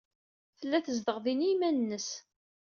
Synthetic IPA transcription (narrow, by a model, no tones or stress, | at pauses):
fəlːæθəzðəʁðinimænənːəs